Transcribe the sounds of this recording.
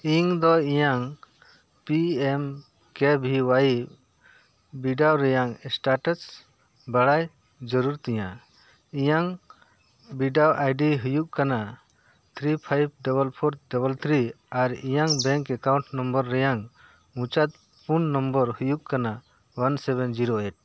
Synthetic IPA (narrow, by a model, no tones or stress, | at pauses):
iŋd̪ɔijaŋ | piɛm | kɛbʱiwaj | biɖawɾɛjaŋsʈaʈəs | baɽaj | d͡ʒɔɾuɾt̪ɛja | ijaŋ | biɖawajɖiɦujuk̚kana | t̪ʰɾipʰajb̚ɖɔbəlpʰoɾdɔbəlt̪ʰɾi | aɾijaŋbɛ̃ŋkɛkaw̃ɳʈnɔmbəɾːɛjaŋ | mũt͡ʃat̪̚ | punːɔmbəɾhujukkana | wansɛbɛnd͡ʒiɾoɛʈ̚